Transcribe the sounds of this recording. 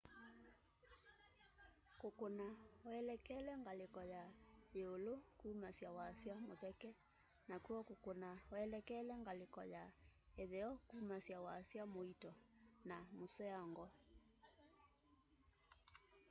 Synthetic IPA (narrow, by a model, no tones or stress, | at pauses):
kokonawɛlɛkɛlɛŋɡalekɔjaeolokumasiawaːsiamoðɛkɛ | nakuɔkokonawaɛlɛkɛlɛŋɡalɪkɔjaɛðɛɔkumasiawaːsiamoitɔnamosɛaŋɡɔ